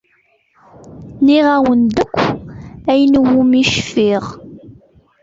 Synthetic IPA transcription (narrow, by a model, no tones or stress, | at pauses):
niʁæwənd̪əkʷːæjnəwːumiʃfiʁ